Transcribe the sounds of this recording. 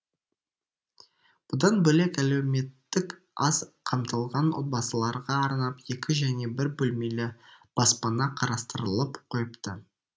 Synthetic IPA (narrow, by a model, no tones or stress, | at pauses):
b̥ʊd̪ɑnbɵle̞kælewme̞t̪ːɪk | ɑzqʰɑmt̪əlˠʁɑnot̪̚bɑsəlˠɑɾʁɑːɾnɑpje̞kʲʰɪʒæne̞bɪɾbɵlme̞lɪb̥ɑspɑnɑqʰɑɾɑst̪əɾəlˠəpqʰojəpt̪ə